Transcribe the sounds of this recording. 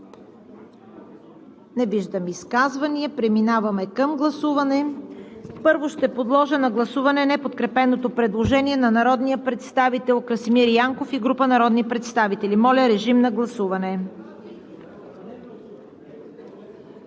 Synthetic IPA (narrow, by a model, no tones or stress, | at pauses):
nɛviʒd̪əmiskazvɐniəpɾɛminavɐmɛkəmɡlˠɐsuvɐnɛ | pɤɾvoʃt̪ɛpod̪lˠɔʒənɐɡlˠɐsuvɐnɛnɛpot̪kɾɛpɛnot̪opɾɛd̪lˠoʒɛniɛnɐnɐɾɔd̪nijəpɾɛt̪st̪avit̪ɛlˠkɾəsimiɾjaŋkofiɡɾupənɐɾɔd̪nipɾɛt̪st̪avit̪ɛlimɔlʲəɾɛʒimnɐɡlˠɐsuvɐnɛ